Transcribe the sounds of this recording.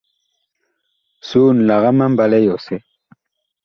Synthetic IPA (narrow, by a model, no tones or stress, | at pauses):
suːnlaɣamambalejose